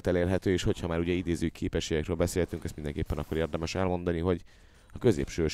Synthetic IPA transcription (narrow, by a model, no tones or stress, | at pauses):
lt̪ɛleːrɦɛt̪øːeːʃho̞chɒmaːɾuɟɛid̪eːzøːikʰeːpɛʃeːjɛkrøːlbɛseːlhɛt̪yŋkɛst̪mind̪ɛŋkeːpːɛnɒkːoɾeːrd̪ɛmɛʃɛlmo̞nd̪ɒniɦo̞ɟ | ɒkø̞zḛːpʃøː